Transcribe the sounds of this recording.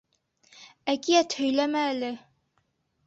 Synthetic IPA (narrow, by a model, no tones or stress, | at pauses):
ækijæt̪hɵ̆jlæmæːlɘ